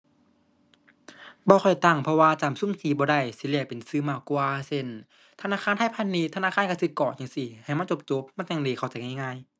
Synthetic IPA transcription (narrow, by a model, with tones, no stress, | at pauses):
bɔː˧xʰɔ˨˩jt̪a˧˩ŋpʰɔ˧waː˧t͡ɕaː˨˩˨msu˧˥˨msʰiː˧˦bɔː˧da˧˩jsi˧li˧˩ɐ˨pe˨nsɯː˧˨maː˧˩wkwaː˧se˧˩˨n | t̪ʰa˧naː˧˥˨xʰaː˧˥˨nt̪ʰa˧˥˨jpʰa˧˥˨nːiː˧˥t̪ʰnaː˧˨kʰaː˧˥˨nka˧˩si˧kɔː˨˩t͡ɕa˨˧˨ŋsi˧ha˨˩jma˧˥˨t͡ɕo˧˦p̚t͡ɕo˧˦p̚ma˧˥˨ta˧˩ŋdiː˧˩kʰa˧˩wt͡ɕa˨˧˩jŋa˧˨ŋaː˧˥˨j